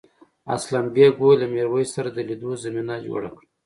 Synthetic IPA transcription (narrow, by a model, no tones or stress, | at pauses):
a̰slambeɡolameɾwəjsaɾad̪əlid̪ozaminad͡ʒo̰ɽa̰kɽ